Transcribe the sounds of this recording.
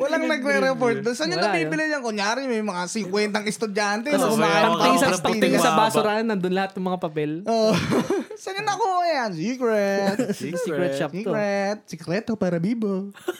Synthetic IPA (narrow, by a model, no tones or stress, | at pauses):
wɐlaŋnɐɡɾɛɾɛpoɹt̪̚d̪onsɐɲonɐbiːbɪlɪjɐŋkoŋjaːɾɪɲmɐjmɐŋasɪŋkwɛnt̪ɐŋɛst̪ʊd̪ant̪ɛnokʊmaʔaːjpɐt̪ɪŋsɐpɐɡt̪ɪŋsɐbaːsoɾaːnɐnd̪ʊnlɐhat̪̚nɐŋmɐŋapɐpɛlʔoːʔ | sɐnɐnɐkojansiːkɾɛt̪skɛsiɾɛt̪̚sɪkɾɛːt̪opaːɾɐbiːbo